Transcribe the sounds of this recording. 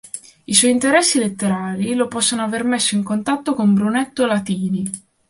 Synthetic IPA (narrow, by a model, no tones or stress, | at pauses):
iswɔjint̪eɾɛsːilet̪ːeɾaːlilopɔsːonoavermesːoiŋkont̪at̪ːokombɾunet̪ːolat̪iːni